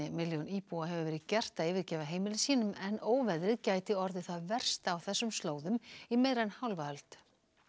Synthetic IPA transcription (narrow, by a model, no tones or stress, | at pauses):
ɪmɪljowniːpuaɦɛvʏvɛːɾɪðcɛr̥t̪aɪːvɪɾ̥cɛːvaɦeːjmɪlɪsiːnʏmɛnoːwvɛðɾɪðcaːjt̪ɪɔɾðɪθaðvɛr̥st̪awθɛsːʏmst̪loːwðʏmimeːjɾanhawlvahœlt̪